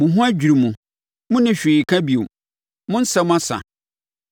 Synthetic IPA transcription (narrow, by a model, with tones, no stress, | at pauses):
mʊ̃˨ɦʊ̃˦æ˦d͡ʑᶣi˨ɾi˨mũ˨ | mʊ̃˦nɪ̃˦ɕᶣiː˨kʰã˦bi˨o˨m | mʊ̃˦n̩˦sɛ˦mʊ̃˦a˦sa̰˨